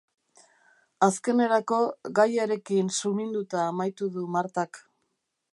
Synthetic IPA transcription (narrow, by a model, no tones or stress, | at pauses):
aske̞ne̞ɾako̞ɣajaɾe̞kinsumind̪ut̪aːmajt̪uðumaɾt̪ak